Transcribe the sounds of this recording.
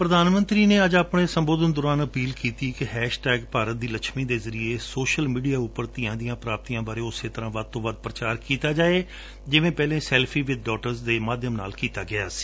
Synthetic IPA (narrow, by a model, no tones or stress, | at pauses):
pɾəd̪aːnmə̃nt̪ɾiːneːəd͡ʒaːpɳeːsəmboːd̪ʱənd̪ɔːɾaːnəpiːlkiːt̪iːkɪɦɛːʃʈɛːɡpaːɾət̪̚d̪iːlət͡ʃʰmĩːd̪eːzəɾieːsoːʃəlmiːɖijaːʊpːəɾt̪iːãːd̪ijãːpɾaːp̚t̪iːãːbaːɾeːʊseːt̪əɾãːʋəd̪̚t̪õːʋəd̪̚pɾət͡ʃaːɾkiːt̪aːd͡ʒaːeː | d͡ʒɪʋẽːpɛːlẽːsɛːlpʰiːʋɪd̪̚ɖɔːʈəɾzd̪eːmaːd̪ʱjəmna̰ːlkiːt̪aːɡɪaːsi̥ː